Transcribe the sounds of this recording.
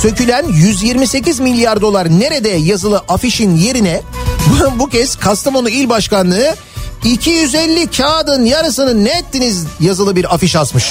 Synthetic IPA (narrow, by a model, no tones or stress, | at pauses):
sø̞cylʲænjyzjiɾmise̞cizmilʲːijaɾd̪o̞lˠaɾne̞ɾe̞d̪ɛjazɯlˠɯʔafiʃinje̞ɾinɛbbucɛz̥kʰast̪amo̞nuilʲbaʃkanlˠɯɯ | icʰijyzɛlʲːicʰaːd̪ɯnjaɾɯsɯnɯnːɛːt̪ʰːinizjazɯlˠɯbiɾafiʃasmɯʃ